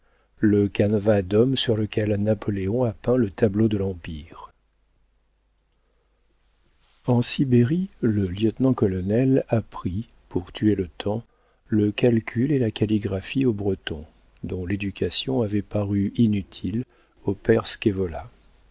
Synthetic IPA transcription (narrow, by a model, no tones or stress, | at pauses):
ləkanvad̪ɔmsyʁləkʲʰɛlnapʰɔleɔ̃apɛ̃lət̪ablod̪əlɑ̃piːʁ | ɑ̃sibeʁiləljət̪nɑ̃kɔlɔnɛlapχi | puʁt̪ʰyelət̪ʰɑ̃ | ləkalkʲʰylelakaliɡʁafiobʁət̪ɔ̰̃ | d̪ɔ̃led̪ykʲʰasjɔ̃avɛpaʁyinyt̪ʰil | opɛʁskʲevɔla̰